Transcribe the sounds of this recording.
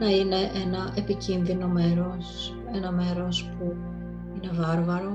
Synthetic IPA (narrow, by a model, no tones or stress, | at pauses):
nɐine̞ʔe̞nɐʔe̞picinðino̞me̞ɾos | e̞nɐme̞ɾo̞spu | ine̞vɐɾvɐɾo̞